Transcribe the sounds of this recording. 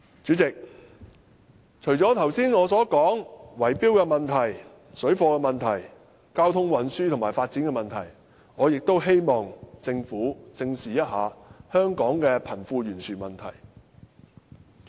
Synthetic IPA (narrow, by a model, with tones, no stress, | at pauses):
t͡ʃyː˨˥t͡sɪ˨k̚ | t͡ʃʰɵ˨˩ɥt͡ʃɔː˨˥t̪ʰɐ˨˩wsiː˥nŋɔː˨˧sɔː˨˥kɔː˨˥ŋwɐ˨˩jpiː˥wkɛː˧mɐ˨nt̪ʰɐ˨˩j | sɵ˨˥ɥfɔː˧kɛː˧mɐ˨nt̪ʰɐ˨˩j | kaː˥wt̪ʰʊ˥ŋwɐ˨˧nsyː˥tʰʊ˨˩maː˨˩jfaː˧t̚t͡si˨˥nkɛ˧mɐ˨nt̪ʰɐ˨˩j | ŋɔː˨˧jɪ˨k̚t̪o˥wɦe˥jmɔː˨ŋt͡sɪ˧ŋfuː˨˥t͡sɪ˧ŋsiː˨jɐ˥t̚haː˨hœː˥ŋkɔː˨˥ŋkɛː˧pʰɐ˨˩nfuː˧ɥyː˨˩nsyː˨˩mɐ˨nt̪ʰɐ˨˩j